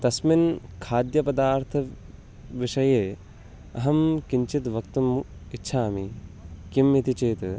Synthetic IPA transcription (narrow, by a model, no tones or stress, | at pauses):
t̪ɐsminkʰaːd̪jɐpɐd̪aːɾt̪ʰɐ | ʋiʂɐjeː | ɐ̰ɦɐmkiɲt͡ʃit̪ʋɐkt̪umitːʃʰaːmikimit̪it͡ʃeːt̪